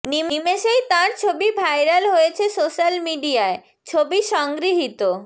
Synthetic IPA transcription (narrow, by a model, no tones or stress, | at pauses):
nimimeʃejt̪ãɾt͡ɕʰobibʱajɾalɦojet͡ɕʰesoʃalmiɖiae | t͡ɕʰobiʃɔŋɡɾiɦit̪o